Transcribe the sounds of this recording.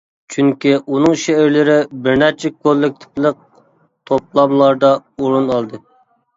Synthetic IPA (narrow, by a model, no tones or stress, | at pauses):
t͡ʃʰyŋkʲiʔunɨŋʃeɪɾlɪɾɪbɪɾnæt͡ʃʰɛkʰolːɪk̚ʲt̪ʰɪ̥plˠəq̚ | t̪ʰop̚lˠɑmlˠɑɾd̪ɑuɾunɑlˠd̪ɨ